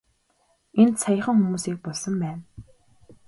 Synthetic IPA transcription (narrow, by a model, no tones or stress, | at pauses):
ent̪sʰajə̆χə̆ŋxumuːsiːk̚pɔɮsɞ̆mpæːn